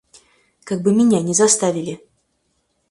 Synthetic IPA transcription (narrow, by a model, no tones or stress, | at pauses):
kaɡ̚bɨmʲɪnʲanʲɪzɐst̪avʲɪlʲɪ